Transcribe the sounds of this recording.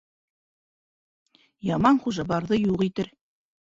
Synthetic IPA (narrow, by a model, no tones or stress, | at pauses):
jɑmɑnχuʒɑβɑɾðɤjuʁit̪ɘɾ